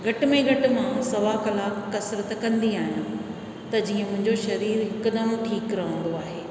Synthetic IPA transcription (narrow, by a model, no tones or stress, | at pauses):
ɡʱɐʈmẽɡʱɐʈɪ̆mãsɐʋakɐlaːkːɐsɾət̪kɐ̃nd̪iaːɦijũ | t̪ɐd͡ʑiːə̃mʊ̃ɦɪ̃ɲd͡ʑoʃɐɾiːɾɦɪkd̪əmʈʰiːkɾɐɦə̃nd̪oaːɦeː